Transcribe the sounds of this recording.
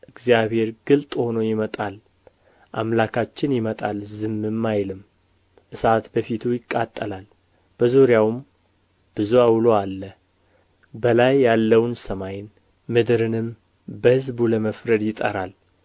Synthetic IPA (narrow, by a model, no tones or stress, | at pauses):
ʔɨɡzijaβhe̞ɾɡɨlt̪ʼho̞nojɪmət̪ʼal | ʔa̰mlakʰat͡ʃːɪnjɪmət̪ʼalzɨmːɨmːajlɨm | ʔɨsat̪bəfit̪ʰujɪkʼːat̪ʼːəlal | b̥əzoɾjawm | b̥ɨzuawloalːə | bəlajːalːəwnsəmajn | mɨd̪ɾɨnɨm | bəhɨzbuləməfɾəd̪jɪt̪ʼə̰ɾal